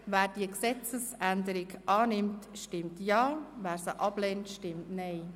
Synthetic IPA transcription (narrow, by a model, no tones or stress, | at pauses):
ʋɛːrd̥iəksɛt͡səsʔændəɾɪkʔɑːnɪmtʃtɪmtjɑːʋɛːrsəʔɑbleːntʃtɪmtnej